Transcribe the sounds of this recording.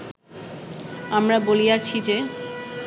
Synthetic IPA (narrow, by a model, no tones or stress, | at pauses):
amɾabolijat͡ɕʰid͡ʑe